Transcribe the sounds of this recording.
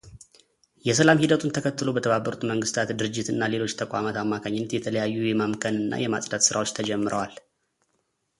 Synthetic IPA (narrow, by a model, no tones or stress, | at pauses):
jɛs̬əlamhid̪ət̪ʰunt̪ʰəkʰət̪ːɨlo̞bət̪ʰəβabːəɾut̪məŋɡɨst̪ʰat̪d̪ɨɾɨd͡ʒːɪt̪ɨnːale̞lo̞t͡ʃːt̪ʰəkʷʼa̰mat̪amːakʰaɲːɪnːət̪jɛt̪ʰələjajːujɛmamkʰənɨnːa̰jɛma̰sʼd̪at̪sɨɾawo̞t͡ʃːt̪ʰəd͡ʒɛmːɨɾə̰wal